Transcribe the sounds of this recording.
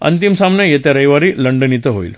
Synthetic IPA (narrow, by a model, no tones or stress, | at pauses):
ə̰nt̪imsamɳjajet̪jaɾəjʋaɾiːləɳɖənit̪əɦoḭːl